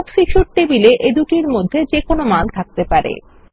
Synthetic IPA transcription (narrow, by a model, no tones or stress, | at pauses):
ksiʃuʈ̚ʈebileʔed̪uʈiɾmod̪ʱːed͡ʑekonomant̪ʰak̚t̪epaɾḛ